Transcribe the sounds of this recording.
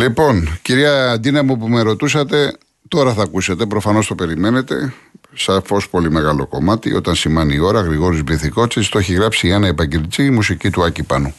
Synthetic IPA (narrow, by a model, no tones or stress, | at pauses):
lipo̞nciɾiɐːd̪inɐmupumeɾo̞t̪usɐt̪e̞ | t̪o̞ɾɐθɐːkuse̞t̪e̞pɾo̞fɐno̞st̪o̞pe̞ɾime̞ne̞t̪e̞̰sɐfo̞spo̞lime̞ɣɐlo̞ko̞̰mɐt̪iʔo̞̰t̪ɐnsimɐniːo̞ɾɐɣɾiɣo̞ɾizbliθiko̞t͡sist̪oeçiɣɾɐpsienɐepɐɟelit͡simusicit̪uɐcipɐnu